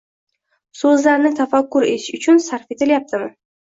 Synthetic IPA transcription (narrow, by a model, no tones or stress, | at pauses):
sɵzlaɾnɪt̪ʰafakːʊɾet̪ʰɪ̥ʃʊt͡ʃʰʊnsaɾfe̞t̪ɪljap̚t̪ʰɪmɪ